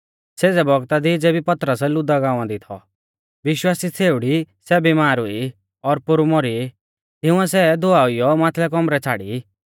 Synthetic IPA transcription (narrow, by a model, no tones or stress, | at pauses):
seːd͡zɛbɔɡt̪ad̪id͡zeːbipɐt̪ɾəsɛlʊd̪aɡãːãd̪it̪ʰɔ̰ | ʋɪʃwaːsit͡sʰeːʊɽisɛbimaːɾʊi | ɔɾpʊɾmɔɾi | ɦ̪ɪʊ̃ɛ̃sɛd̪ʊaʊijɔmãːt̪ʰlɛk̬ɔmɾɛt͡sʰaːɽḭ